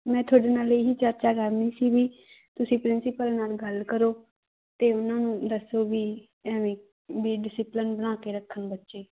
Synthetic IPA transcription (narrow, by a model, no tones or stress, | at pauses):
mɛ̃ːt̪ʰʊaːɖeːnaːleːɦiːt͡ʃəɾt͡ʃaːɡəɾniːsiːbiː | t̪ʊsĩːpɾɪnsɪpəlnaːlɡəlkəɾoː | t̪eːʊnãːnũːd̪əsoːʋiː | ɛʋĩː | biːɖɪsɪplɪnbəɽ̃ãːkeːɾəkʰːənbətːʃeː